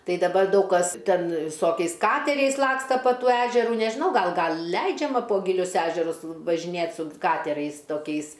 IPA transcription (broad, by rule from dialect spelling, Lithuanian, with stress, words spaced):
ˈtɐɪ dɐˈbɐr ˈdɐʊk kɐs ˈtʲɛn ʋʲɪˈsoːkʲɛɪs ˈkɑːtʲɛrʲɛɪs ˈlˠɑːkstɐ pɐ ˈtuː ˈæːʒʲɛruː nʲɛʒʲɪˈnɐʊ ˈɡɐlˠ ˈɡɐlˠ ˈlʲɛɪd͡ʒʲɛmɐ poː ɡʲɪˈlʲʊs ˈæːʒʲɛrʊs ʋɐʒʲɪˈnʲeːt sʊ ˈkɑːtʲɛrɐɪs toːˈkʲɛɪs